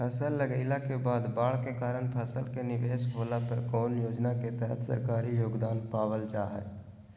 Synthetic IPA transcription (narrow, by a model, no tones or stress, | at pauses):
pʰəsəlːəɡəɪlakebaːd̪baːɭkekaːɾəɳ̃pʰəsəlkenɪʋeːsɦoːlapəɾkɔːnjoːd͡ʒnaket̪ɛɦət̪sə̰ɾkaːɾijoːɡd̪aːnpaːwəlt͡ʃaːɦɛ̰